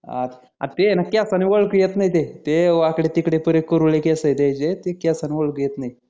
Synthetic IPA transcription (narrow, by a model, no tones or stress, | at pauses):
a̰t̪ʰ | a̰t̪enakeasaniʋoɭkujet̪naɦit̪et̪eʋakɽet̪ikɽepəɾekəɾuɭekesəjt̪ajt͡ɕet̪ekeasaniʋoɭkəjet̪nai